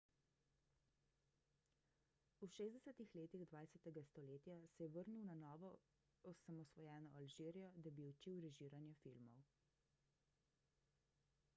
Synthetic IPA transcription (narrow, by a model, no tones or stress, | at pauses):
uʃeːzd̪ɛsɛt̪ixleːt̪iɣd̪ʋaːjsɛt̪ɛɡast̪ɔleːt̪jasɛjɛʋəɾnuwnanɔːʋɔ | ɔsamɔsʋɔjɛːnɔalʒiːɾijɔd̪abiut͡ʃiwɾɛʒiːɾanjɛfilmɔw